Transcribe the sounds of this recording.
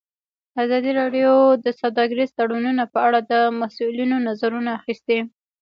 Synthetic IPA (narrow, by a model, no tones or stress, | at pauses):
azɑd̪iɾɑɖjod̪əsawd̪ɑɡɪɾizt̪aɽununapəaɽad̪əmasulinonazaɾunaːxist̪i